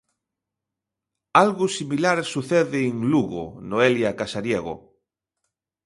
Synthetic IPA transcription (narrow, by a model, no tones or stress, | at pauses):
alɣʊsimilaɾsuθɛðɪːŋluɣo̰noeljakasaɾjeɣʊ̰